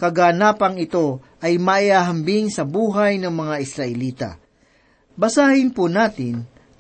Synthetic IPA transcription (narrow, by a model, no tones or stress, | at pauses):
kɐɡaːnaːpɐŋɪt̪o̞ʔɐjmaʔɪaːɦɐmbɪŋsɐbuːɦajnɐŋmɐŋaʔɪsɾɐʔɛliːt̪a̰ | bɐsaːhɪnpunaːt̪ɪn